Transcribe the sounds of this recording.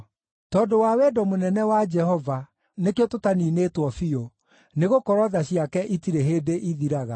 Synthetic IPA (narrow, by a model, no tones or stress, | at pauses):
tɔːdowawɛdɔmonɛnɛwad͡ʒɛhɔva | nekeototaniːnetwɔfio | neɣokɔɾɔðaɕiakɛʔitiɾeɦeːdeʔiðiɾaɣa̰